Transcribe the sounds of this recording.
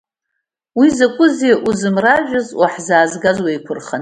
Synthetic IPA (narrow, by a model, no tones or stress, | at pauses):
wizakʷʼʊziʔuzɨmraʒᶣazwaħzaːzɡazwajkʷʰʊrχan